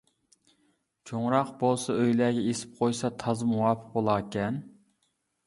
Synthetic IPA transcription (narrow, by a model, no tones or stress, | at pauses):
t͡ʃʰoŋɾɑqbolˠsɑøjlæːɡʲɛesɪ̥p̚qʰojsɑt̪ʰɑzmuwɑːpʰɨ̥q̚bolˠɑːkʲɛn